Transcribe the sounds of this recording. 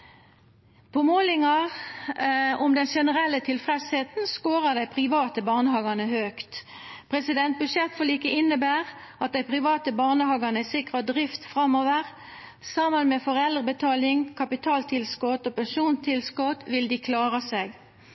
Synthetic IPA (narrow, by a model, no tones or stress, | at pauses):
pʰɔmoːlɪŋɑʁ | ʊmd̪ɛnʃɛnəʁɛlːət̪ʰɪlfʁɛsheːt̪n̩skoːʁəd̪æɪpʰʁɪʋɑːt̪əbɑʁnəhɑːɡɑʁnəhøːkt̪ | pʰʁɛsɪd̪ɛnt̪̚bʉʃɛt̪fɔliːkəɪnːəbæːʁ | ɑt̪̚d̪æɪpʰʁɪʋɑːt̪əbɑʁnəhɑːɡɑʁnəɪsɪkʁɑd̪ʁɪft̪fʁɑmoːʋəʁ | sɑmənmɛfɔʁɛld̪ʁəbət̪ʰɑːlɪŋkʰɑpɪt̪ʰɑːlt̪ʰɪlskɔt̪oːpɛnʃuːnt̪ʰɪlskɔt̪ʋɪld̪ɪːkʰlɑːʁəseːɡ